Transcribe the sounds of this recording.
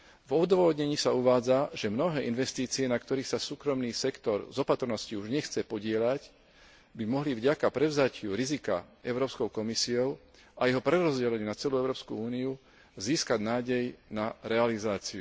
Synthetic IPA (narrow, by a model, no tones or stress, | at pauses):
vɔd̪ʋɔʋɔd̪ɲɛɲiːsauʋaːd͡zaʒɛmnɔɦɛːʔinʋɛst̪iːt͡siɛnakt̪ɔɾiːxsasuːkɾɔmniːsɛkt̪ɔɾzɔpat̪ɾnɔsciuʒɲɛxt͡sɛpɔɟɪɛʎac | bimɔɦlivɟakapɾɛʊzacɪuɾizika̰ɛʊɾɔːpskɔʊkɔmisiɔʊ | ajɛɦɔpɾɛɾɔzɟɛlɛɲːnat͡sɛluːɛʊɾɔːpskṵuːniu | ziːskaɟnaːɟɛjnaɾɛalizaːt͡siu